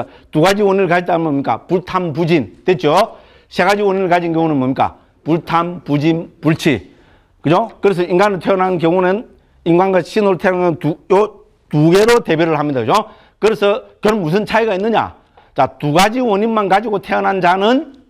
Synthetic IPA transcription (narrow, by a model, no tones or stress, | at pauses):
tuɡad͡ʑiwʌɲiɾɯɭkad͡ʑit͈anɯnmbʌmɲik͈a̰puɭtʰamp̬ud͡ʑintet͡ɕ͈o | sʰe̞ɡad͡ʑiwʌɲinɯɭkad͡ʑinkjoŋonɯnmbomɲik͈a̰ | puɭtʰampud͡ʑimpuɭt͡ɕʰi | kɯd͡ʑokɯɾes̬ʰʌiŋɡanɯɭtʰeʌnɦannkjʌŋonɯn | iŋɡwanɡaɕʰinoɾtʰenaɯntujo | tuɡe̞ɾote̞bjiɾɯɭhamɲidaɡɯd͡ʑo | kɯɾesʰʌkjʌɾʌmːus̬ʰɯnt͡ɕʰaiɡainːɯɲa̰ | t͡ɕatuɡad͡ʑiwʌɲinmankad͡ʑiɡotʰe̞ʌnɦand͡ʑanɯn